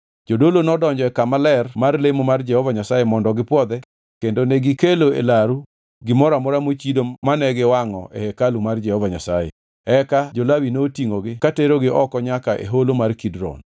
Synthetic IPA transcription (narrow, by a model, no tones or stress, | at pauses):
d͡ʒodolonɔdɔɲd͡ʒɔɛkamalɛrmarlemomard͡ʒɛhɔvaɲasajemɔndɔɡɪpwɔd̪ɛ | kendoneɡɪkeloḛlaɾu | ɡɪmɔɾamɔɾamot͡ʃidomanɛɡɪwaŋɔ̰ʔehekalumard͡ʒɛhɔvaɲa̰sajḛ | ɛkad͡ʒolawinoːtiŋoɡɪkateɾoɡɪʔɔkɔɲakaʔḛɦolomarkidɾɔ̰n